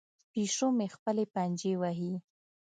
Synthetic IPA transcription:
piʂomexpəlepand͡ʒewaɦi

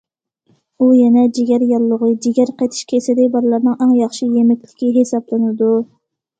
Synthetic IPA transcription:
ujɛnɛd͡ʒeɡʲæɾjɑlˠːʊʁəd͡ʒiɡʲæɾqʰejt̪ʰɪ̥ʃkʲʰesɪd̪ɪbɑɾlˠɑɾnɨŋɑŋjɑχʃijemɪkʲlɪkʲiɦesɑblˠɨnɪd̪u

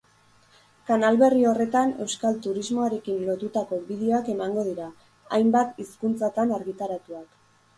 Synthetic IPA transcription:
kanalβe̞rio̞re̞t̪ane̞wskalt̪uɾizmo̞aɾe̞kinlo̞t̪ut̪ako̞βið̞eo̞ake̞maŋɡo̞ð̞iɾa | ajmbat̪iskunt͡sat̪anaɾɣit̪aɾat̪uak

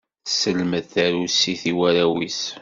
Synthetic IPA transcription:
səlməðθæɾusːiθiwæɾæwis

